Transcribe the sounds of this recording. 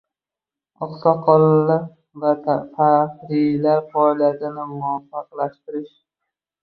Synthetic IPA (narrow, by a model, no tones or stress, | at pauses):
ɒqsɒqʰɒlla | vat̪ʰahɾɪlaɾfɒjlad̪ɪnɪmʊafɑqlaʃt̪ɪɾɪʃ